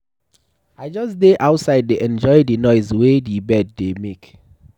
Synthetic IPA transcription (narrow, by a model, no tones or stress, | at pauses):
aɪd͡ʒɔsdeʔaʊtsaɪddeʔɛ̃nd͡ʒɔɪdinɔɪzwedibɛd̚ːemek